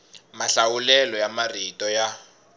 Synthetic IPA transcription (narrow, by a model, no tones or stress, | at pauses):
maɬawulɛlɔjamaritɔja